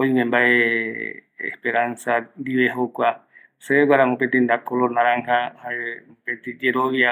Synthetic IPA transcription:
oimẽmbae | ḛhpeɾansand̪iβeɦokwa | seeɡʷaɾaŋopet̪ind̪akolonaɾaŋhahaepet̪id͡ʒeɾoβia

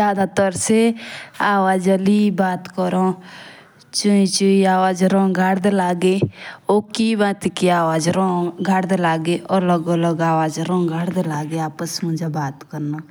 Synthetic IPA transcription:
d͡ʒaːd̪at̪ɔɾseaːʋaːd͡ʒəliːbaːt̪kɔɾoː | t͡ʃʊĩt͡ʃʊiaːʋaːd͡ʒɾõːɡʱaɽd̪elaːɡeːoːkiːbãːt̪ikiaːʋaːd͡ʒɾõːɡʱaɽd̪elaːɡeːʔoləɡoːləɡaːʋaːd͡ʒɾõːɡʱaːɽd̪elaːɡeaːpəsmʊ̃d͡ʒabaːt̪kəɾnaː

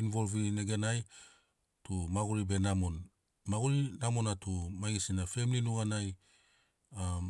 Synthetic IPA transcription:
invo̞lvineɡenaj | tumaɡuɾibe̞namon | maɡuɾinamonatumaɡisinafe̞mininuɡanaj | a

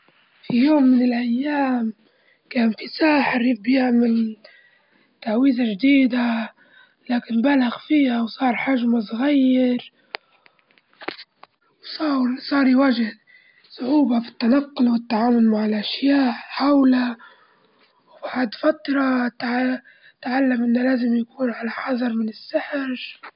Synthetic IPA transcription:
fijoːmːɪnɪlʔajːaːm | kaːnfisaːħɪɾibjɪʕmɪl | t̪aʕwiːzaʒd̪iːd̪a | laːkɪnbalaɣfiːhawsˤɑːɾˤħaʒmasˤɣajːɪɾ | wsˤɑːɾsˤɑːɾˤiwaːʒɪh | sˤʊʕuːbafɪ̥t̪ːanɑqːʊlwɪt̪ːaʕaːmʊlmaʕɪlʔaʃjaːʔħawla | wbaʕd̪fat̪ɾˤɑt̪ʕ | t̪ʕalːamʔɪnːalaːzɪmjakuːnʕalaħɑðˤɑɾˤmɪnɪsːaħɪɾ

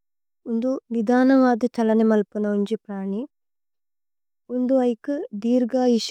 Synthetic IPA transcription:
und̪unid̪ʱaːnɐʋaːd̪it͡ʃɐlɐnimɐlpunɐuɲd͡ʒipɾaːɳi | und̪uɐjkɨd̪iːɾɡaːiʃ

